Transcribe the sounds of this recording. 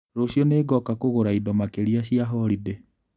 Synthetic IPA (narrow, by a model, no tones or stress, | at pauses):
ɾoɕjɔneːɡɔkakoɣoɾaidɔmakeɾiaɕiaɦɔɾide